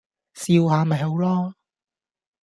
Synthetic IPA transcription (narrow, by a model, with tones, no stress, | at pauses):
siː˧whaː˨˧mɐ˨˩jɦɐ˨˥wlɔː˥